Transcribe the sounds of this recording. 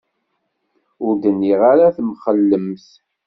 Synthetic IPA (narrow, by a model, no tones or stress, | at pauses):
ʊɾd̪ənːiʁaɾaθmχəlːəmθ